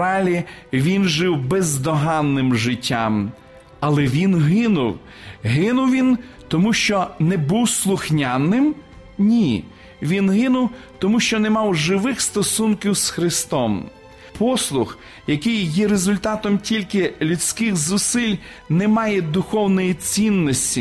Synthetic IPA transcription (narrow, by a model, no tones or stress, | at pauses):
ɑlʲiʋʲinʒɪwbɛzd̪ɔɦɑnːɪmʒɪtʲːam | ɐlˠɛʋʲinɦɪnʊw | ɦɪnʊwʋʲin | t̪ɔmuʃt͡ʃɔnɛbuwslˠʊxnʲanːɪm | nʲi | ʋʲinɦɪnʊwt̪ɔmuʃt͡ʃɔnɛmɑwʒɪʋɪxst̪ɔsunkʲiwsxɾɪst̪ɔm | pʰɔslˠʊx | jɐkɪjːɛɾezʊlʲt̪ɑt̪ɔmtʲilʲkɪlʲʊt͡sʲkɪxzʊsɪlʲ | nɛmɑjɛd̪ʊxɔwnɔjit͡sʲinːɔsʲtʲi